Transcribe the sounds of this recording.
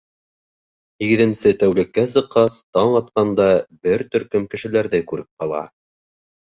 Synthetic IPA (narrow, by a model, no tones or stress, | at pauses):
hiɡɘ̆ðɘ̆nsɘt̪æwlɘ̆kːæsɤ̆qːɑst̪ɑɴɑt̪qɑnd̪ɑbɘɾt̪ɵ̆ɾkɵmkɘ̆ʃɘ̆læɾðɘkʉɾɘp̚qɑlˠɑ̰